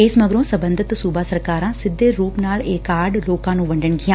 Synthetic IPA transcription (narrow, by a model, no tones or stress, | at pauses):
eːsmɐɡɾõsɐ̃bə̃nd̪ʱɪt̪suːbasɐɾkaːɾãsɪd̪ʱːeɾuːpnaːleːkaːɾɖloːkãːnũːʋɐ̃ɳɖənɡiãː